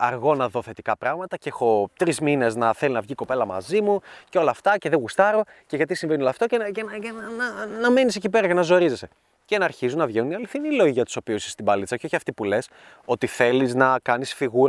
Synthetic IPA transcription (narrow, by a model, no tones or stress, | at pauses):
ɐɾɣo̞nɐðo̞θe̞t̪ikɐpɾɐɣmɐt̪ɐceexo̞t̪ɾizmine̞znɐθe̞linɐvʝiko̞pe̞lɐmɐ̰zimuceo̞lɐːft̪ɐceðeɣust̪ɐɾo̞ce̞ʝɐt̪̬isiɱve̞niolɐft̪o̞cecenenɐnɐme̞nisecipe̞ɾɐcenɐzo̞ɾizese | cenɐɐɾçizunɐvʝenuniɐliθinilo̞ʝiʝɐt̪u̥so̞piuse̥st̪ibɐlit͡sɐceo̞çiɐft̪ipule̞s | o̞t̪iθe̞liznɐkɐnisfiɣuɾɐ